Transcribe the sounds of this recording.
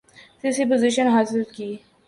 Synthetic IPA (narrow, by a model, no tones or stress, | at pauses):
siːsipoziʃənɦaːzəlkiː